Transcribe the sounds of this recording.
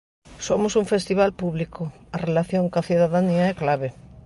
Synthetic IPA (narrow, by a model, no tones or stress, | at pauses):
somʊsuɱfest̪iβ̞alpuβliko | ɐrelaθjoŋkaθiðaðaniɐɛklaβe